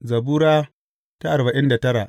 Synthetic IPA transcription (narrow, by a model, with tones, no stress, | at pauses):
zɐ˨buː˦ɾaː˦ | ta˦ʔa˨ɾba˨ʔɪ˦nda˨tɐ˦ɾa˨ʔ